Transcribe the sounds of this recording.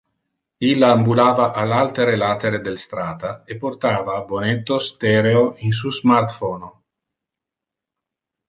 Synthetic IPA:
ilːaːmbulaːvaʔalalt̪eɾelat̪eɾed̪elst̪ɾaːt̪aepːort̪aːvaːbonet̪ːost̪eɾeoins̬uzmart̪fono

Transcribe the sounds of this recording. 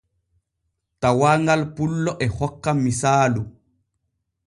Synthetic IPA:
tawaːŋɡalpulːɔʔɛhɔkːamisaːlu

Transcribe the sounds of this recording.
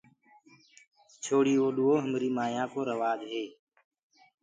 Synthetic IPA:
t͡ʃʰoːɽiːoːɗʊoːɦəmɾiːmaːjãːkoːɾəʋaːd͡ʒɦeː

